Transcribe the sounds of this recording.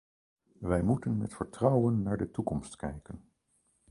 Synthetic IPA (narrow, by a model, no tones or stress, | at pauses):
ʋɛjmutənmɛ̰tfəɹtrɑwənːaːɹdətukɔmstkɛjkən